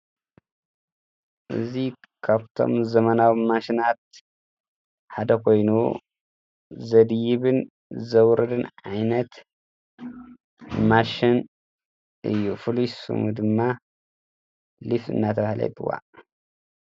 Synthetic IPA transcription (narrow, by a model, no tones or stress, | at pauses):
ʔɨ̰zi | kʰaβt̪ʰo̞̰mzɐmɐnawimaʃinat̪̚ | ħad̪ɐkʰo̞jnu | zɐd̪jiβɨn | zɐwɾɐd̪ɨnʕajnɐt̪ | maʃin | ʔɨ̰jːufɨlusɨ̰mud̪ɨmːa | lifɨ̰nːat̪ʰɐβahlɐ̰jt̪ʰɨ̰wa̰